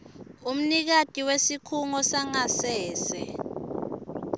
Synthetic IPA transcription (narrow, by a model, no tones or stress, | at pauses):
um̩nik̬ad̥ʱʼiwesikʰuŋɔsaŋasɛːsɛ